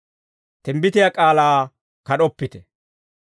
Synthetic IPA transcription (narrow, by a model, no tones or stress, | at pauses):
t̪ɛmbɪt̪ɪjakʼaːlaː | kɐɗɔpːɪt̪ɛ